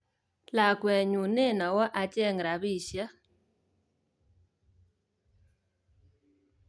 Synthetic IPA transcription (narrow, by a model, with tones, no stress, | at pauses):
la˨kwɛ˨ɲu˨ne˦˨na˨wɔ˦ʔa˨t͡ʃɛ˦˨ŋɾa˨βi˦˨ʃja˦